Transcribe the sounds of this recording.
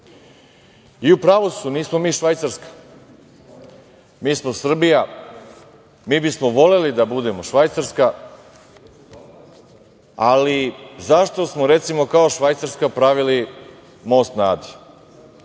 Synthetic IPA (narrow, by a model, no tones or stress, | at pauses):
iupɾaːʋosuniːsmo̞miːʃʋajt̪saɾskḁ | miːsmosr̩bija | miːbismoʋo̞le̞lid̪abud̪e̞mo̞ʃʋajt̪saɾska | alizaʃt̪o̞smoɾe̞t̪simo̞kao̞ʃʋajt̪saɾskapɾaʋili | mo̞ːst̪naːd̪i